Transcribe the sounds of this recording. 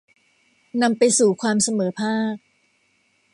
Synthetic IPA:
na˧mpa˧jsuː˨˩kʰwaː˧msa˧mɤː˩˦pʰaː˥˩k̚

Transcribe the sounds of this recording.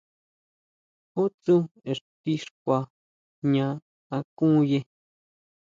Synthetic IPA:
ho˦t͡su˦e˨ʂt̪i˦ʂkʷa˧ | ɲã˧ | a˧kũ˦je˧

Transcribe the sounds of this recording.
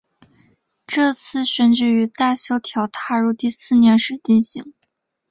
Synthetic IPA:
ʈ͡ʂɤ˥˧t͡sʰɹ̩˥˩ɕɥɛ˧˥nʈ͡ʂɻ̩˧˥y˧˥t̪a˥˩ɕjɑ˥ʊt̪ʰjɑ˧˥ʊt̪ʰa˥˧ɻu˥˧t̪i˥˧sɹ̩˥˩njɛ˧˥nʂɻ̩˧˥˩t͡ɕi˥˩nɕḭ˧˥ŋ

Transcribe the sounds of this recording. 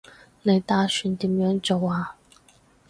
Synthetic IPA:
ne˨˧˥jt̪aː˥ʃy˨˥nt̪iː˨˥mjœː˨˥ŋt͡so˨˩waː˧

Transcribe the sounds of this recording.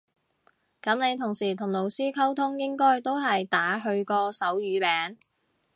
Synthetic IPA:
kɐ˨˥mne˨˧jt̪ʰʊ˨˩ŋsiː˨˩t̪ʰʊ˨˩ŋlo˨˩wsiː˥kʰɐ˥wt̪ʰʊ˥ŋjɪ˥ŋkɔː˥jt̪o˥wɦɐ˨jt̪aː˨˥ɦɵ˧ɥkɔː˧sɐ˨˥wjyː˨˧pɛː˨˥ŋ

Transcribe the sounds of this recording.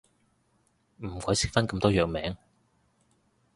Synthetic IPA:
m̩˨˩kɔː˨˥jsɪ˨˥k̚fɐ˥nkɐ˧mt̪ɔː˥jœː˨k̚mɛː˨˥ŋ

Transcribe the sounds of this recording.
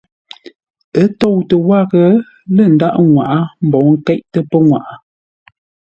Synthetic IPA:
ə˨˦tɔ˦˨wtə˨wa˦˨ɣə˨˦ | lə˦˨n̩˨da˦ʔŋwa̰˨ʔa˦m̩˨bɔ˨˦ŋ̩˦kɛ˦ʔ̚tə˦pə˦ŋwa̰˨ʔa˨

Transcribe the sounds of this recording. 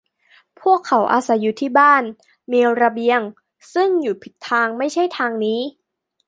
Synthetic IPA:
pʰu˥˩əkʰːa˩˦wʔa̰ː˧sa˨˦jːuː˨˩t̪ʰiː˥˩baː˥˩n | miː˧wɾa˧bi˧əŋ | sɯ˥˩ŋjuː˨˩pʰi˨˩t̪ʰːaː˧ŋma˥˩jt͡ɕʰa˥˩jt̪ʰaː˧ŋniː˦˥

